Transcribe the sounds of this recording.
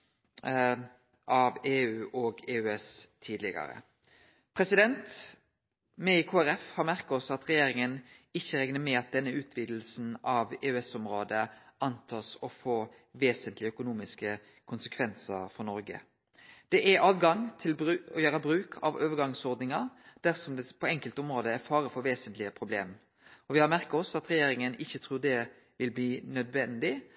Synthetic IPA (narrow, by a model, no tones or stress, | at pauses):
ʔɑʋeːʉːʔɔɡeːʉɛst̪ʰiːd̪lɪɡɑ̰ɾə̰ | pʰɾɛsɪd̪ɛnt̪ | mɛɪkʰoːæɾɛfhɑɾmæʁkɑɔsːɔɑt̪ʁɛjeːɾɪŋənɪçːəɾɛŋnəmɛɑt̪̚d̪ɛnːəʉːt̪ʰʋiːd̪l̩sn̩ɑʋeːʉɛsɔmɾoːd̪əʔɑnt̪ʰɑːsɔfoː | ʋeːsənt̪lɪœkʊnuːmɪskə | kʰʊnsə̥kʰʋɛnsəfɔʁnɔɾɡə̰ | d̪̥ɛʔæɾɑːʋɡɑŋt̪ʰɪlbɾʉɔjøːɾəbɾʉːkʰɑ̰ʋoːʋəɾɡɑŋsɔɾd̪nɪŋɑd̪̥æɾsɔmd̪ɛpʰɔɛŋkəlt̪ɔmɾoːd̪əæɾfɑːɾəfɔɾʋeːsənt̪lɪəpʰɾʊbleːm | ɔʋɪhɑɾmæʁkɑɔsɑt̪ɾɛjeːɾɪŋənɪçːət̪ʰɾuːʁd̪ɛ | ʋɪlbliːnœd̪ʋɛnd̪ɪ